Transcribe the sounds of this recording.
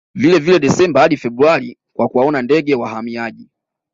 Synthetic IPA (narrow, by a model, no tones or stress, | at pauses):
vilɛvilɛɗɛsɛmbahaɗifɛbɾualikwakuwaɔnandɛɡɛwahamiaʄi